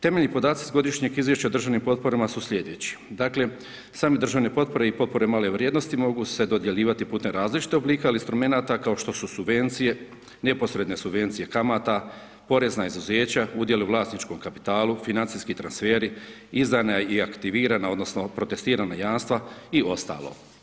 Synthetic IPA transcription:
t̪e̞me̞ʎnipo̞d̪aːt̪sizɡo̞d̪iʃɲeɡizʋje̞ʃt͡ɕaod̪r̩ʒaʋnimpo̞t̪̚po̞ɾamasusʎʲe̞d̪et͡ɕi̥ | d̪aːkle̞ | saːmed̪rʒaʋne̞po̞t̪̚po̞ɾe̞ipo̞t̪̚po̞ɾe̞maːle̞ʋɾʲjeːd̪no̞st̪imo̞ɡuse̞d̪o̞d̪je̞ʎiːʋat̪ipuːt̪emɾaːzlit͡ʃi̥t̪eobliːkealinst̪ɾume̞naːt̪akao̞ʃt̪o̞susubʋe̞nt̪sije̞ | ne̞po̞sɾe̞d̪ne̞subʋe̞nt̪sije̞kamat̪a | po̞ɾe̞znaizuzeːt͡ɕaud̪je̞leuvlˠaːst̪nit͡ʃko̞mkapi̥t̪aːlufinant̪siskit̪ɾansfeːɾi | izd̪anaiakt̪iʋiːɾanao̞d̪no̞sno̞pɾo̞t̪e̞st̪iːɾanajaːnst̪ʋaio̞st̪a̰ːlo̰

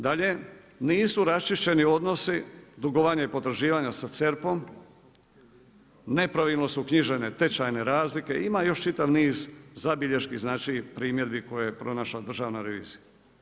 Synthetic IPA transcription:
d̪aʎe̞ | niːsuɾast͡ʃiʃt͡ɕe̞nio̞d̪no̞sid̪uɡoʋaɲaipo̞t̪ɾaʒiːʋaɲasat̪seɾpo̞m | ne̞pɾaʋilnosukɲiʒene̞t̪e̞t͡ʃajne̞ɾaːzlike̞ʔimajo̞ʃt͡ʃit̪aʋniːzzabiʎeʃkiznaːt͡ʃipɾiːmje̞d̪biko̞jejepɾo̞naʃlad̪r̩ʒaːʋnaɾeʋḭːzija

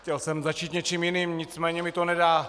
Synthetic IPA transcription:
cɛlsɛmzat͡ʃiːt̪ɲɛt͡ʃiːmjɪniːmɲɪt͡smɛːɲɛmɪt̪onɛdaː

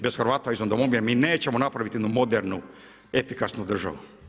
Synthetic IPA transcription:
besxɾʋaːt̪oaizond̪omomiemiːne̞ːt͡ɕemonapɾaʋit̪ienumo̞d̪eɾnu | efikasnud̪r̩ʒa̰ʋu

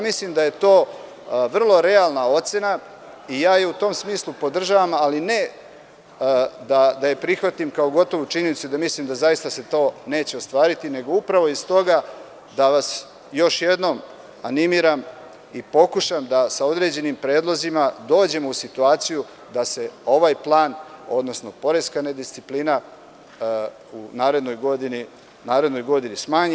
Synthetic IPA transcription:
jamislimd̪aje̞t̪o̞ː | ʋr̩lˠo̞ɾe̞alˠnao̞t̪se̞na | ijaːjeut̪o̞msmiːslˠupo̞d̪r̩ʒaːʋamaline̞ | d̪ad̪ajepɾixʋat̪imkaoɡo̞t̪o̞ʋut͡ʃiɲenitsud̪amisliːmd̪azajist̪ase̞t̪o̞ːne̞ːt͡ɕe̞ost̪ʋaːɾit̪ine̞ɡo̞upɾaʋo̞ist̪o̞ɡa | d̪aʋas | jo̞ʃje̞d̪no̞m | animiːɾam | ipo̞kuʃamd̪asao̞d̪ɾe̞d͡ʑe̞nimpɾe̞ːd̪lˠo̞zimad̪o̞ːd͡ʑe̞mousit̪uaːt̪siju | d̪ase̞o̞ʋajplˠaːno̞d̪no̞sno̞po̞ɾe̞skaned̪ist̪siplina | unaːɾe̞d̪no̞jɡo̞d̪ini | naːɾe̞d̪no̞jɡo̞d̪inismaːɲ

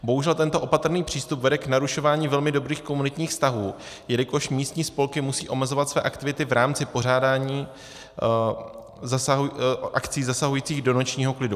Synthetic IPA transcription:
bo̞ɦuʒɛlt̪ɛnt̪oʔo̞pat̪rniːpr̝̥iːst̪upvɛdɛknaɾuʃo̞vaːɲiːvɛlmɪdo̞bɾiːxko̞munɪt̪ɲiːxst̪aɦuː | jɛlɪko̞ʃmiːst̪ɲiːspo̞lkɪmusiːʔo̞mɛzo̞vat̪svɛ̰ːʔakt̪ɪvɪt̪ɪvɾʔaːmt͡sɪpo̞r̝aːdaːɲiː | zasaɦʔakt͡siːzasaɦujiːt͡siːɣdo̞not͡ʃɲiːɦo̞klɪdu

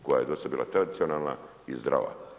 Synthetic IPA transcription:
koja̰ed̪osad̪biːlˠa̰t̪ɾad̪itsionalna̰ | izd̪ɾa̰ːʋa̰

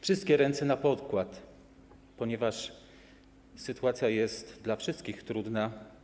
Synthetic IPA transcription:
fʂɘst̪kʲɛɾɛnsɛnapɔt̪kwat̪ | pɔɲɛvaʂ | sɘt̪uat̪sʲjajɛst̪d̪lafʂɘst̪kʲixt̪ɾud̪na

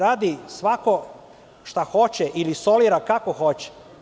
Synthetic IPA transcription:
ɾaːd̪isʋako̞ | ʃt̪axo̞t͡ɕɛʔiliso̞liːɾakakoxo̞t͡ɕɛ̥

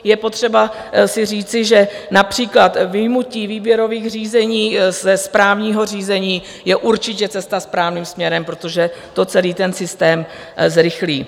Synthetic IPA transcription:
jɛpo̞t̪r̝̥ɛba | sɪriːt͡sɪʒɛnapr̝̥iːklat̪vɪjmuciːviːbjɛɾo̞viːɣr̝iːzɛɲiːzɛspɾaːvɲiːɦo̞r̝iːzɛɲiː | jɛʔuɾt͡ʃɪcɛt͡sɛst̪aspɾaːvniːmsmɲɛɾɛmpɾo̞t̪o̞ʒɛt̪o̞t͡sɛliːt̪ɛnsɪst̪ɛːm | zɾɪxliː

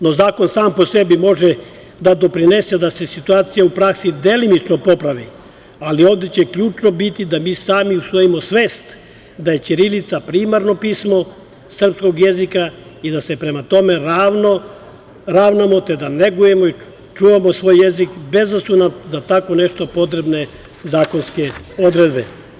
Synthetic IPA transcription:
no̞zaːko̞nsaːmpo̞se̞bimo̞ʒe | d̪ad̪o̞pɾine̞se̞d̪asesit̪uaːt̪sijaupɾaksid̪e̞linit͡ʃnopo̞pɾaʋḭ | alio̞ːʋd̪et͡ɕekʎuːt͡ʃnobit̪id̪amiːsaːmiusʋo̞jimo̞sʋeːst̪ | d̪aje̞t͡ʃiɾilit̪sapɾiːmaɾno̞piːsmo̞ | sr̩psko̞ɡje̞zikaid̪ase̞pɾe̞mat̪o̞me̞ɾaːʋno | ɾaːʋnamo̞t̪ed̪ane̞ɡuje̞moi | t͡ʃuːʋamo̞sʋoːjːezikbe̞zasunazat̪akʋo̞ne̞ʃt̪o̞po̞t̪ɾebne̞ | zaːko̞nske̞o̞d̪ɾe̞d̪be

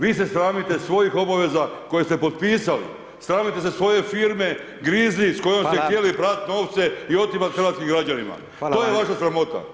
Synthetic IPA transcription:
ʋiːse̞sɾaːmit̪e̞sʋo̞jixo̞baʋe̞zako̞jest̪e̞pot̪̚piːsalḭ | sɾaːmit̪e̞s̬esʋo̞je̞fiɾme̞ | ɡɾiːzisko̞jomst̪eje̞lipɾat̪it̪no̞ːʋt̪se̞io̞t̪ipat̪xɾrɾʋaːt̪skimɡɾad͡ʑanima̰ | oːjjeʋaʃasɾamo̞t̪a̰

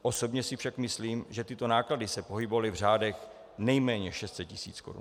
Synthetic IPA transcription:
ʔo̞so̞bɲɛsɪfʃakmɪsliːmʒɛt̪ɪt̪o̞naːkladɪsɛpo̞ɦɪbovalɪvr̝aːdɛx | nɛjmɛːɲɛʃɛst̪sɛt̪̚cɪsḭːt͡skoɾṵn

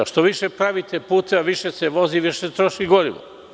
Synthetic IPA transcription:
ʃt̪oʋiʃepɾaʋit̪epuːt̪eʋaʋiʃeseʋo̞ziʋiʃest̪ɾo̞ʃiɡo̞ɾiʋo̰

